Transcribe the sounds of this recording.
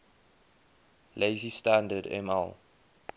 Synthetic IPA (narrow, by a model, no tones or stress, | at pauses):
leɪzistãndədɛ̰mɛ̰lˠ